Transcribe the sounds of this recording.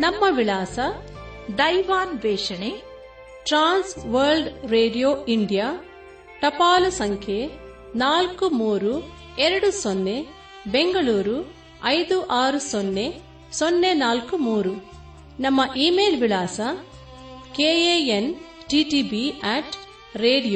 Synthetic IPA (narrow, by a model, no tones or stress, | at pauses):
nɐmːɐʋilaːsɐ | d̪ɐjʋaːnʋɛːʂɐɳe | ʈɾaːnsʋɐɾlɖɾeːɖijoːiɳɖijaː | ʈ̪ɐpaːlusɐŋkʰje | naːlkumuːɾu | ɛɾɐɽusonːe | beŋɡɐɭuːɾu | ɐjd̪uʔaːɾusonːe | sonːenaːlkumuːɾu | nɐmːɐʔiːmeːlʋilaːsɐ | keːeːen | ʈiːʈiːbiaːʈ | ɾeːɖijoː